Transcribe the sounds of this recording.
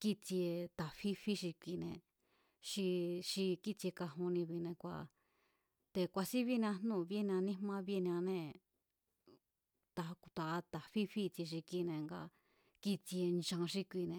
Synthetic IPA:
ki˦t͡si˧e˧t̪a˨fi˦fi˦ʃi˧kʷi˧nẽ˧ | ʂi˧ʃi˧ki˦t͡se˧ka˧ɦũ˧nĩ˧βi˧nẽ˧kʷa̰˧ | t̪e˧kʷa˧si˦βi˦˧ñ˧ã˧nnũ˦˧˨βe˦˧ñ˧ã˧nĩ˦mã˦˧βe˦˧ñ˧ã˧nẽ˧ | t̪a˨˧ku˧t̪a˨˧t̪a˨fi˦fi˦t͡si˧ʃ̬i˧ki˧nẽ˧ŋɡa̰˧ | ki˦t͡si˧e˧nd͡ʒã˧ʃi˧kʷi˧nẽ˧

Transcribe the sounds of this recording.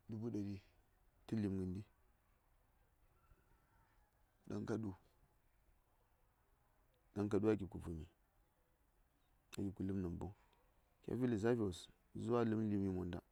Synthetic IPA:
du˨bu˦da˨di˦ | ti˦li˨mɡə˨ndi˦ | da̰˦ŋka˦ɗu˦ | da˦ŋka˨du˦a˦˨ɡi˨b̚ku˨vu˨mḭ˨ | a˨ɡi˨b̚ku˨lɨ˦mna˨bo̰˦ŋ | kʲa̰˦vi˦li˨za˦vi˨o˨s | zu˦wa˦lɨ˦m˦li˦mi˦mo˨nda̰˨

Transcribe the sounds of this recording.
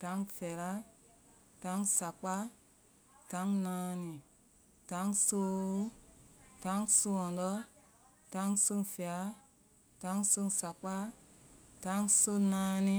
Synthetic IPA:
tã˨˦ŋfɛ˨ɾa˦ | tã˨˦ŋsa˨k͡pa˦ | tã˨˦ŋnãː˧˦nĩ˨ | tã˨˦ŋsoː˦ | tã˨˦ŋso˧ɔ̃˨ndɔ˦ | tã˨˦ŋso˧˦ŋfɛ˨a˦ | tã˨˧˦ŋso˧ŋsa˨k͡pa˦ | tã˨˦ŋso˦nãː˧˦nĩ˧

